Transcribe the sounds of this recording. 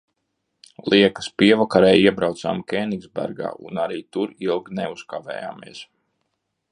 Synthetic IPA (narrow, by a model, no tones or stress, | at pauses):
lˠiɛkḁspiɛvakaɾɛːjiɛbɾawt̪sa̰ːmkʲɛːniɡzbæ̰ɾɡa̰ːṵnaɾiːt̪uɾilˠɡnɛuskavɛ̰ːja̰ːmiɛs